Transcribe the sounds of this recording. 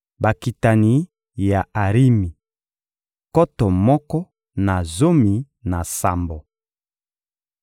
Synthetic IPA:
ba˨ki˨ta˨ni˨˦ | ja˨a˨ʁi˦mi˨ | kɔ˦tɔ˨mɔ˦kɔ˦ | na˨zo˦mi˨ | na˨sa̰˨mbo˨

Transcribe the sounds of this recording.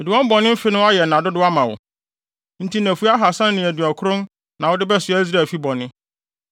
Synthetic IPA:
ɛ˨di˨wɔ̃˦m˦bɔ˨nɪ̃˦m̩˦fɪ˦nʊ̃˦a˦jɛ˨nã˨dʊ˦dʊ˦a˦mã˨wʊ̰˨ | n̩˦tʰi˦næ̃˨fu˦a˦ɦa˨sã˦n˦nɪ̃˨æ˨dɥɔ˨kʰʊ˦ɾʊ̃˦n | nã˨wʊ˦dɪ˦bɛ˦sʊ˨æ˦i˦z̬ɾa˨fi˦bɔ˨nɪ̃˦

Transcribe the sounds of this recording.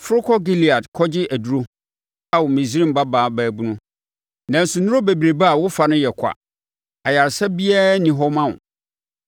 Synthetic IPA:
fʊ˦ɾʊ˦kʰɔ˦ɡi˦li˨a˨dkʰɔ˦d͡ʑɪ˦ʔæ˨du˦ɾo˦ | a˦wʊ˨mĩ˨s̬i˦ɾĩ˦m˨ba˦baː˨˦˨bæː˨bũ˦nʊ̃˦ | nã˨n̩˨sʊ˨nʊ̃˦o˦be˨bɾe˨ba˦a˨wʊ˦fa˨nʊ̃˦jɛ˨kʷʰa̰˨ | a˨ja˨ɾsɛ˦bi˦ɛː˦nɪ̃˨ɦɔ˦mã˦˨n˨

